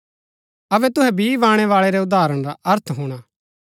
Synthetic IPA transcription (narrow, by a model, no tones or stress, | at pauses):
ɐbɛt̪ʊɦɛbiʋãːɽ̃ɛʋaːɭɛɾɛʊd̪aːɾəɽ̃ɾaʔɐɾt̪ʰɦuːɽ̃aː